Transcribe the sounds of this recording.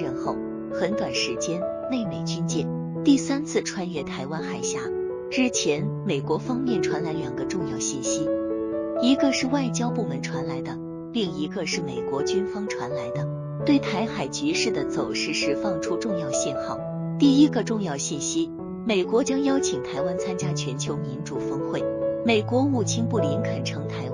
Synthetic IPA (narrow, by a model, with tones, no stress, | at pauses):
ɻə˥˧nxo˥˩ʊ | xə˧˥nt̪wa˨˩nʂɻ̩˧˥t͡ɕjɛ˥n | ne˥˩ɪme˨˩ɪt͡ɕy˥nt͡ɕjɛ̰˥˩ | t̪i˥˩sa˥nt͡sʰɹ̩˥˧ʈ͡ʂʰwa˥njɛ˥˩t̪ʰa˧˥ɪwa˥nxa˨˩ɪɕja˧˥ | ɻɻ̩˥˩t͡ɕʰjɛ˧˥nme˨˩ɪkwɔ˧˥fɑ˥ŋmjɛ˥˩nʈ͡ʂʰwa˧˥nla˧˥ɪljɑ˨˩ŋɡə˦ʈ͡ʂʊ˥˧ŋjɑ˥˧ʊɕi˥˩nɕi˥ | i˧˥ɡə˧ʂɻ̩˥˧wa˥˩ɪt͡ɕjɑ˥ʊpu˥˩mə˧˥nʈ͡ʂʰwa˧˥nla˧˥ɪd̪ə˧ | pi˥˩ŋi˧˥ɡə˧ʂɻ̩˥˩me˨˩ɪkwɔ˧˥t͡ɕy˥nfɑ˥ŋʈ͡ʂʰwa˧˥nla˧˥ɪd̪ə˧ | t̪we˥˩ɪt̪ʰa˧˥ɪxa˨˩ɪt͡ɕy˧˥ʂɻ̩˥˩d̪ə˩t͡so˨˩ʊʂɻ̩˧˥ʂɻ̩˧˥fɑ˥˧ŋʈ͡ʂʰu˥ʈ͡ʂʊ˥˧ŋjɑ˥˧ʊɕjɛ˥˧nxɑ˥˩ʊ | t̪i˥˩i˥ɡə˧ʈ͡ʂʊ˥˧ŋjɑ˥˧ʊɕi˥˩nɕi˥ | me˨˩ɪkwɔ˧˥t͡ɕjɑ˥ŋjɑ˥ʊt͡ɕʰi˨˩ŋt̪ʰa˧˥ɪwa˥nt͡sʰa˥nt͡ɕja˥t͡ɕʰɥɛ˧˥nt͡ɕʰjo˧˥ʊmi˧˥nʈ͡ʂu˨˩fɤ˥ŋxwe˥˩ɪme˨˩ɪkwɔ˧˥u˨˩t͡ɕʰi˥ŋpu˥˩li˧˥nkʰə˨˩nʈ͡ʂʰɤ˧˥ŋt̪ʰa˧˥ɪ